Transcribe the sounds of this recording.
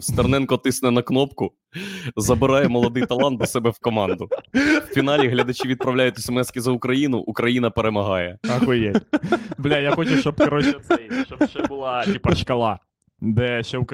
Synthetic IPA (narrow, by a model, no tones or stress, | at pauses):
st̪ɐrnɛnkɔt̪ɪsnɛnɐknɔpkʊ | zɐbɪɾɑjɛmɔlˠɔd̪ɪjjt̪ɐlˠɑnt̪d̪ɐsɛbɛwkɔmɑnd̪ʊwfʲinɑlʲiɦlʲɐd̪ɐt͡ʃiʋʲid̪̚pɾɐwlʲajʊt̪ʲɛsemɛskʲizɐʊkɾɐjinʊ̰ʔːkɾɐjin̪ɐpeɾemɐɦɑjɛɑkʊjɛblʲajaxɔt͡ʃʊt͡ʃɔbkɾɔʃɛt̪sɛjʃt͡ʃɔbʃt͡ʃɛbʊlˠɑtʲipɐʃkɐlˠɑ | d̪ɛʃt͡ʃɛʊk